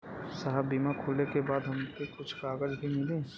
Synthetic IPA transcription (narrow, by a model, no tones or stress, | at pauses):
saɦəbiːmakʰoːlekebaːd̪ɦɐmpekʊt͡ʃʰkaːɡəd͡ʒbʱimɪlẽː